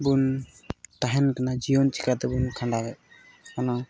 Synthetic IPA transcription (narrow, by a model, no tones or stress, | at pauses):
bun | t̪aɦɛnkanad͡ʒijɔnt͡ʃi̥kat̪ɛbunkʰanɖaɡɛʔ | kana